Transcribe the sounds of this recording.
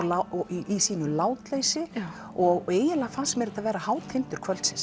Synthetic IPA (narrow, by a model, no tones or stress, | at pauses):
laiisiːnʏlaːwt̪leːjsɪ | ɔɣeːjɪnlafasmɛɾt̪avɛːɾahaːwt̪ʰɪnt̪ʏɾ̥kʰvœlsɪns